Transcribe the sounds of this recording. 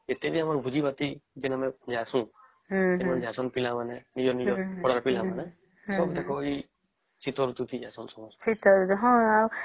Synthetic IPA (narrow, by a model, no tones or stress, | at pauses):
et̪ebiamaɾbʱud͡ʒibat̪id͡ʒinamɛd͡ʒʱasũ | enmɔnd͡ʒʱasɔnpilamanɛnid͡ʒɔnid͡ʒɔɔɽaɾpilamanɛ | sɔbd̪ekʰɔi | sit̪ɔɾut̪ut̪ʰid͡ʒasɔnsɔmɔssit̪ɔɾt̪ɦɔ̃aw